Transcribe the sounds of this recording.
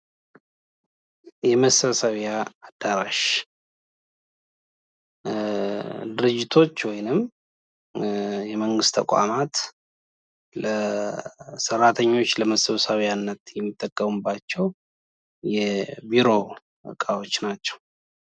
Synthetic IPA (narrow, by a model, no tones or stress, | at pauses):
jɛməsəβsəβjaːd̪aɾaʃ | d̪ɨɾɨd͡ʒːɪt̪ʰo̞t͡ʃːwɔjnɨm | jɛməŋɡɨst̪ʰəkʼa̰mat̪ | lə | sərːat̪ʰəɲːo̞t͡ʃːləməsəβəsəβjanːət̪jɛmːit̪ʼːəkʼːəmubːat͡ʃːɛw | jɛbiɾo̞ | ə̰kʼawo̞t͡ʃːnat͡ʃːɛ̥w